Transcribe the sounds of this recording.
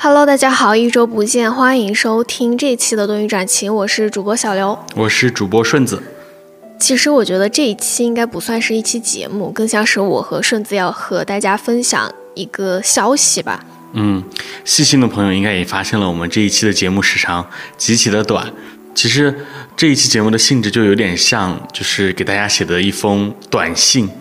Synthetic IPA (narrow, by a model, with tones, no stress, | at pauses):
xa˨˩lo˧˥ʊt̪a˥˩t͡ɕja˥xɑ˨˩ʊi˥˩ʈ͡ʂo˥ʊpu˧˥t͡ɕjɛ˥˩nxwa˥i˧˥ŋʂo˥ʊt̪ʰi˥ŋʈ͡ʂɤ˥˧i˥t͡ɕʰi˥d̪ə˨˧t̪ʊ˥˧ŋy˥˩ʈ͡ʂwa˨˩nt͡ɕʰi˧˥ŋwɔ˨˩ʂɻ̩˥˩ʈ͡ʂu˨˩pwɔ˥ɕjɑ˨˩ʊljo˧˥ʊwɔ˨˩ʂɻ̩˥˩ʈ͡ʂu˨˩pwɔ˥ʂwə˥˩nd͡zɹ̩˨˩ | t͡ɕʰi˧˥ʂɻ̩˧˥wɔ˨˩t͡ɕɥɛ˧˥d̪ə˧ʈ͡ʂɤ˥˧i˥˩t͡ɕʰi˥i˥ŋka˥ɪpu˧˥swa˥˧nʂɻ̩˥˧i˥˩t͡ɕʰi˥t͡ɕjɛ̰˧˥mu˥˩kɤ˥˧ŋɕjɑ˥˩ŋʂɻ̩˧˥wɔ̰˨˩xɤ˧˥ʂwə˥˩nd͡zɹ̩˨˩jɑ˥˩ʊxɤ˧˥t̪a˥˩t͡ɕja˥fə˥nɕjɑ̰˨˩˦ŋ | i˧˥ɡə˧ɕjɑ˥ʊɕi˨˩bɐ̰˩ | n̩˥˩ɕi˥˧ɕi˥˩ŋd̪ə˩pʰɤ˧˥ŋjo˧i˥ŋka˥ɪjɛ˨˩fa˥ɕjɛ˥˩nlə˩wɔ˨˩mə˦nʈ͡ʂɤ˥˧i˥˩t͡ɕʰi˥˩d̪ə˩t͡ɕjɛ˧˥mu˥˧˩ʂɻ̩˧˥˩ʈ͡ʂʰɑ˧˥ŋt͡ɕi˧˥t͡ɕʰi˨˩d̪ə˦t̪wa̰˨˩˦n | t͡ɕʰi˧˥ʂ̬ɻ̩˧˥ʈ͡ʂɤ˥˧i˥˩t͡ɕʰi˥t͡ɕjɛ˧˥mu˥˩d̪ə˩ɕi˥˧ŋʈ͡ʂɻ̩˥˩t͡ɕjo˥˩ʊjo˧˥t̪jɛ˨˩nɕjɑ˥˧ŋt͡ɕjo˥˧ʊʂɻ̩˥˩ke˨˩ɪt̪a˥˩t͡ɕja˥ɕjɛ˨˩d̪ə˧˦i˥˩fɤ˥ŋt̪wa̰˨˩nɕi˥˩ŋ